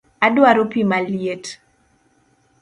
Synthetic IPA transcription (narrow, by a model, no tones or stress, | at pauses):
adwaɾopimaljet